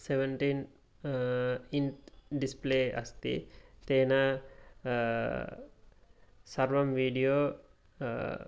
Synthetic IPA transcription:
seʋeɳʈiːn | inɖispleːɐ̰st̪ḭt̪eːnɐ | sɐɾʋɐmʋiːɖijoː

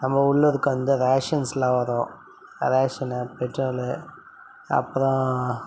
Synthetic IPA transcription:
nɐmːɐʊɭːɯɾɯkːɐʋɐnd̪ɯɾaːʂɐnslãːʋɐɾõː | ɾeːʂɐnɐpɛʈɾɐlɯ | ɐ̰pːɯɾɔ̃

